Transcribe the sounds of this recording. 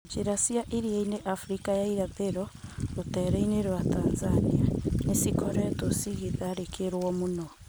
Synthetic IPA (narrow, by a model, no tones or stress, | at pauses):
t͡ʃeɾasiaʔeɾiaineʔafɾikajaiɾapeɾɔotɛːɾɛineɾwatanzanianesikɔɾɛtɔsiɣeðaɾekeɾwɔmonɔ